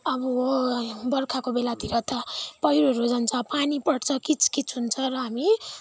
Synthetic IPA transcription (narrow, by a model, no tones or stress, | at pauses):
ʌbʌobʌrkʰakobelat̪iɾʌt̪ʌpʌɦiɾoɾod͡zʌnt͡sʰʌpanipʌɽt͡sʰʌkit͡sʰkit͡sʰɦunt͡sʰʌɾʌɦami